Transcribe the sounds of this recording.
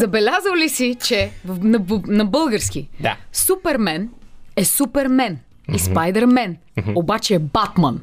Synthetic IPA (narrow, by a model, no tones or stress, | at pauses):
zɐbɛlʲazəwlisit͡ʃɛvnɐnɐbɤlˠɡəɾsk̟iasupɛɾmɛnɛsupɛɾmɛn | ispajd̪ɛɾmɛn | obat͡ʃɛːbat̪mɐn